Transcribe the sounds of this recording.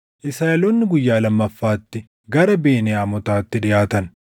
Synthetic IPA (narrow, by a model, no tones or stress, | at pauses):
ʔɪsɐjɐlonːɪɡʊjːaːlɐmːɐfːaːt̪ːɪ | ɡɐɾɐbe̞ːneːɐmɔt̪aːt̪ːɪᶑɪjaːt̪ɐn